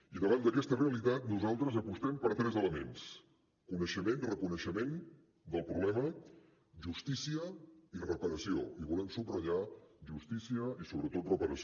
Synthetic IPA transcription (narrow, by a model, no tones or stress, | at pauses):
iðəβand̪əkɛst̪əreəlit̪at̪nuzalˠt̪ɾəzəpust̪ɛmpəɾt̪ɾɛzələmens | kunəʃəmenrəkunəʃəmen | d̪əlˠpɾuβlɛmə | ʒust̪isiəirəpəɾəsioiβulɛmsubrəʒaʒust̪isiəisoβɾət̪ot̪rəpəɾəs